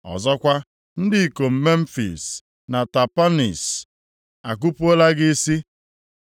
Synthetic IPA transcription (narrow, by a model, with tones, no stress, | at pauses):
ɔ̰˨zɔ˦kʷa˦ | n̩˦dɪ˦i˨ko˨m̩˦me˦m̩˦fḭ˨s | na˨ta˨pa˦nḭ˨s | a˨k̬u˦pʊ˦o˦la˦ɡɪ˦si˦